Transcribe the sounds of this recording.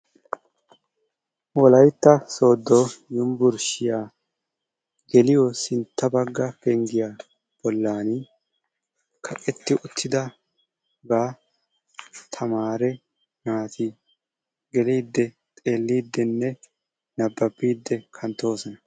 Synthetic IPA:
wɔlɐjt̪ːɐso̞ːd̪ːoːjʊmbʊɾʃɪjaː | ɡɛlɪjɔsɪnt̪ːɐbɐɡːɐkeŋɡɪja | b̥ɔlːaːn | kʰɐʔʼɛt̪ːɪʔʊt̪ʰːɪd̪ɐ | ɡaː | t̪ʰɐmaːɾɛ | naːt̪ɪ | ɡɛliːd̪ːɛ | t̪ʼe̞ːlːiːd̪ːɛnːɛ | nɐbːɐbːiːd̪ːɛkʰɐnt̪ːo̞ːsɔnɐ

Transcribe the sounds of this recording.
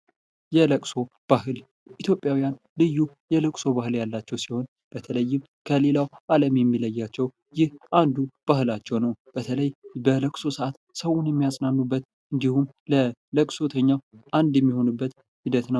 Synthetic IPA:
jɛləkʼso̞b̥ahɦɨl | ʔit̪ʰjo̞pʼjawijan | lɨjːu | jɛləkʼso̞bahɨljalːat͡ʃːɛwsiho̞n | b̥ət̪ʰələjːɪm | kʰəle̞lawʔaləmjɛmːiləjːat͡ʃːɛw | jɪhʔand̪ub̥ahɨlat͡ʃːɛwnəwb̥ət̪ʰələjbələkʼso̞səʔat̪səwʊnjɛmːijasʼnanːubːət̪ | ʔɨnd̪ihum | lələkʼso̞t̪ʰəɲːawʔand̪jɛmːiho̞nɨbːət̪ | hid̪ət̪nəw

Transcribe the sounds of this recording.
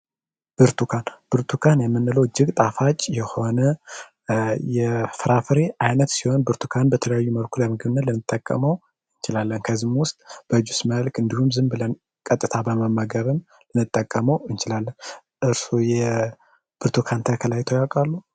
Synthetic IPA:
b̥ɨɾt̪ʰukʰanb̥ɨɾt̪ʰukʰanjɛmːɨnːɨləwd͡ʒɪɡt̪ʼafat͡ʃʼjɛho̞nə | jɛfɨɾafɨɾe̞ʔajnət̪siho̞nbɨɾt̪ʰukʰanbət̪ʰələjajːuməlkʰuləmɨɡɨβɨnːət̪lɨnɨt̪ʼːəkʼːə̰məw | ɨnt͡ʃɪlalːənkʰəzɨmwʊst̪ʼb̥əd͡ʒusməlkʰɨnd̪ihumzɨmbɨlən | kʼət̪ʼːɨt̪ʰabəməmːəɡəβɨm | lɨnɨt̪ʼːəkʼːəməwɨnt͡ʃɪlalːən | ʔɨɾsujɛ | b̥ɨɾt̪ʰukʰant̪ʰəkʰəlajt̪ʰojakʼalːu

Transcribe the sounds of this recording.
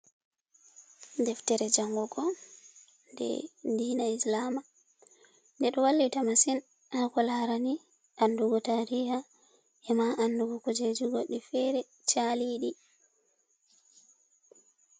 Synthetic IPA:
dɛftɛɾɛd͡ʒaŋɡɔɡɔ | ndɛ̰ndiːnaislama | ndɛɗɔwalːitamasin | akɔlaɾani | ʔanduɡɔtaɾiha | ʔɛmaʔanduɡɔkud͡ʒed͡ʒiɡoɗːifɛɾɛ | t͡ʃaliɗi

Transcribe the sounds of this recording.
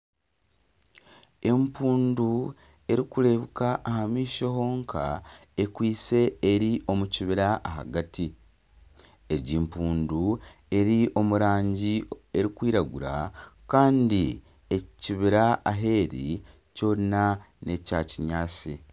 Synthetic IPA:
e̞mpuːndu | e̞ɾikule̞βukaʔːhamiːʃo̞ho̞ːŋkʰa̰e̞kwiːse̞ːɾiʔo̞muciβiɾaʔːɦa̰ɡati | eɟimpuːndue̞ɾiʔo̞muɾaːɲɟie̞ɾikwiːɾaɡuɾa̰kaːndi | e̞ciβiɾaaɦe̞ːɾḭ | co̞ːɾina | ne̞caciɲaːsi

